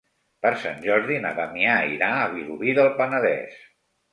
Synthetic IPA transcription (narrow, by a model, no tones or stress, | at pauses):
pəɾsa̰nʲʒɔɾðinə̰βəmiaiɾaːβ̞iluβiðəlˠpənəðɛ̰s